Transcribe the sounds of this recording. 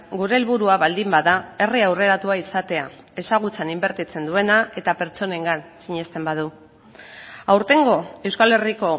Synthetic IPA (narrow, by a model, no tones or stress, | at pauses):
ɡuɾe̞ːlβuɾuaβald̪imbaðae̞riawre̞ɾat̪uaisat̪e̞a | e̞saɣ̞ut͡senimbe̞ɾt̪it͡se̞nd̪ue̞nae̞t̪ape̞ɾt͡so̞ne̞ŋɡansiɲe̞st̪e̞mbað̞u | awɾt̪e̞ŋɡo̞e̞wskale̞riko̞